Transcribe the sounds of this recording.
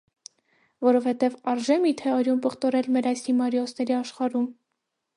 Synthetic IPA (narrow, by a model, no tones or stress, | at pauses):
vɔɾɔvhɛt̪ɛvɑɾʒɛmit̪ʰɛɑɾjumpəχt̪ɔɾɛlmɛɾɑjshimɑɾjɔsnɛɾiɑʃχɑɾum